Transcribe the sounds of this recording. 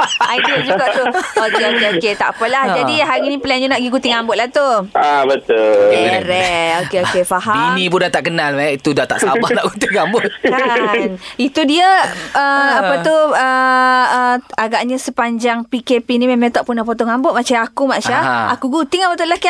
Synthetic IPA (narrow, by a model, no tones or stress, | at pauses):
adiad͡ʒuɡaʔt̪uokeokeoket̪a̰ʔpəlahd͡ʒadiɦaɾinipəlɛnɲanaʔɡiɡut̪ɪŋambʊt̪̚laht̪uabət̪ʊɛɾɛokeokefaɦainipundat̪aʔkənalmait̪udat̪a̰ʔsabahnaʔɡut̪ɪŋambʊt̪̚kanit̪udiəəapət̪uəəaɡaʔɲasəpaɲd͡ʒaŋpikepinimemãŋt̪aʔpunahpot̪ɔŋambʊʔ̪̚mat͡ʃaakumat͡ʃaakuɡut̪ɪŋapət̪ulahk